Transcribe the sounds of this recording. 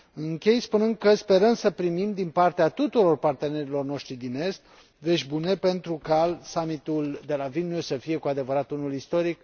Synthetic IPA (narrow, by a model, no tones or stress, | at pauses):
ɨŋkʲe̞jspunɨnd̪̚kəspe̞ɾəmsəpɾimimd̪inpart̪eat̪ut̪uɾo̞rpart̪e̞ne̞ɾilo̞rno̞ʃt̪ɾid̪ine̞st̪̚ | ve̞ʃʲbune̞pe̞nt̪ɾukasamit̪uld̪e̞lavinjussəfije̞kuad̪e̞vəɾat̪unulist̪o̞ɾik